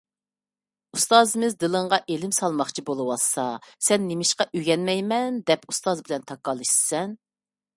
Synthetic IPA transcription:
ust̪ɑːzɨmɪzd̪ɨlˠɨɴʁɑʔelɪmsɑlˠmɑχt͡ʃʰibolˠɨwɑsɑsɛnːemɪʃqɑʔyɡʲɛnmɛjmɛnd̪ɛpust̪ɑzbɪlɛnt̪ʰɑkːɑlˠɨʃɨ̥sɛn

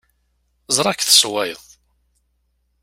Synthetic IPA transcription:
zˤɾˤɑkθə̥swæjəðˤ

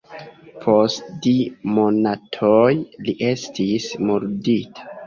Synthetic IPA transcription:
pʰo̞stdimonatʰojliʔe̞stʰismuɾditḁ

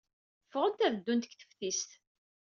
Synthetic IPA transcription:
fʁənt̪æðəd̪ːunt̪əkθə̥fθist̪

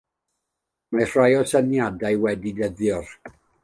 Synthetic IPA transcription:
mar̥rajɔsanjadajwɛdidəðjɔr

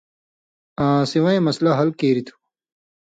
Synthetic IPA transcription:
ãːsiwɐẽmɐslɐɦɐlkeːɾit̪ʰu̥

